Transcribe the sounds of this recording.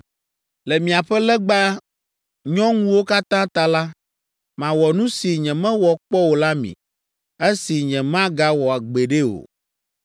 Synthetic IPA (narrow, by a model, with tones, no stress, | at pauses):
lɛ˨mĩ˨a˨ɸɛ˦lɛ˦ɡ͡ba˦ | ɲɔ̃˦ŋũ˦wo˦ka˦t̪ã˦t̪ã˦la˦ | mã˨wɔ˨nũ˦si˨ɲɛ̃˨mɛ̃˦wɔ˨k͡pɔ˦wo˨la˦mḭ̃˨ | e˦si˨ɲɛ̃˨mã˦ɡa˦wɔ˨a˨ɡ͡be˨ɖe˦o̰˨